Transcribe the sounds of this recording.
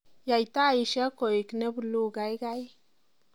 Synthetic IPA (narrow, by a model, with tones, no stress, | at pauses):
ja˧jt̪a˦˨ji˧ʃa˦ko˨ji˨kne˦blu˧ɡa˧jɡa˦j